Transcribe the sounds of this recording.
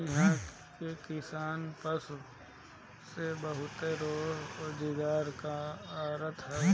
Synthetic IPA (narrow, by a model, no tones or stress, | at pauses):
ɪɦãː | kekɪsaːnpəs | sebəɦʊt̪eɾoːɦoːd͡ʒɪɡaːɾkaaːɾət̪ɦɛː